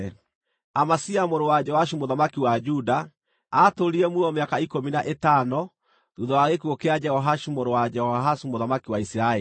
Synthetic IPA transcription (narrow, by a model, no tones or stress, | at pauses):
amasiamoɾowad͡ʒɛhwaʃumoðamakiwad͡ʒudaː | toɾiɛmuɔmeakaikominaʔetanɔ | ðuðɔwaɣekuokead͡ʒɛhɔɦaʃumoɾowad͡ʒɛhɔɦasumoðamakiwaisiɾaɛi